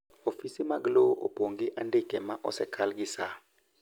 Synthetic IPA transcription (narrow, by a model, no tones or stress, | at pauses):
ofisimaɡloʔo̰poŋɡiʔandekɛmaʔɔ̰sɛkʰalɡisa